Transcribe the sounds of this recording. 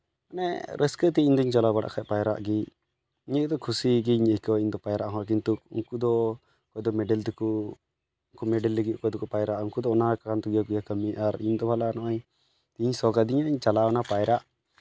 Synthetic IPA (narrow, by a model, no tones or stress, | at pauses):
anɛ̰ɾʔɛskət̪ɛind̪ɔiɲt͡ʃalabaɽa̰ʔkʰapajɾa̰ʔɡi | iɲəkd̪ɔkʰusiɡiɲəkɔiɲd̪ɔpajɾaʔɦɔ̃k̬int̪uṵŋkud̪ɔ | kɔjd̪ɔmɛɖɛlt̪ɛku | uŋkumɛɖɛlːəɡikɔjd̪ɔkɔpajɾaʔuŋkud̪ɔɔnakaant̪ɔɡijakujakəmiʔaɾind̪ɔbʱalanɔʔaɲ | t̪iɲsɔɡad̪iɲaʔiɲt͡ʃalaɔnapajɾaʔ